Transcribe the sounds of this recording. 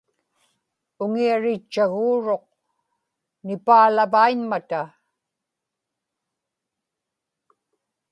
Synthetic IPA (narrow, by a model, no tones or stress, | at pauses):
ʊŋiaɻɪt͡ʃːaɣuːɻo̞q̚ | nɪpaːlavainmat̪a